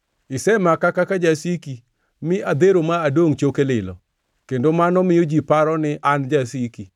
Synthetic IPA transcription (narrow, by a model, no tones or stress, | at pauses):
ɪsɛmakakakad͡ʒasiki | mɪʔad̪eɾomaːdoŋt͡ʃokelɪlɔ̰ | kendomanɔmɪjod͡ʒipaɾɔnɪʔand͡ʒasiki